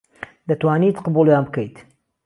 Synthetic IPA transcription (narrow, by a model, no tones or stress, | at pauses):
d̪ɐt̪waːnit̪qɨbuːlˠjaːnbkɐjt̪